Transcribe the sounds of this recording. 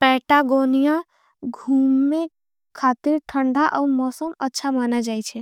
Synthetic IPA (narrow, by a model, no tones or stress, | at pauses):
pɛʈaɡonijã | ɡʱuːme | kʰat̪iɾʈʰəɳɖʱaʔəuɾmɔsəmətːʃʰamanad͡ʒajt͡ʃʰɛ